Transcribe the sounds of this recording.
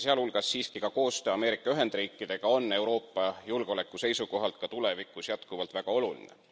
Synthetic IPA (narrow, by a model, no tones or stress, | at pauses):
seɑlhulɡ̥ɑsːiːskikɑko̞ːst̪øːɑme̞ːɾikˑːɑyɦe̞nd̪riːkːˑid̪̥e̞ɡ̥ɑo̞nːe̞wɾo̞ːpːˑɑjulɡ̥eo̞le̞kːˑuse̞jsuko̞ɦɑlt̪̚kɑt̪ule̞vikːˑusjɑt̪kuvɑlt̪væɡ̥ɑo̞lulḭnḛ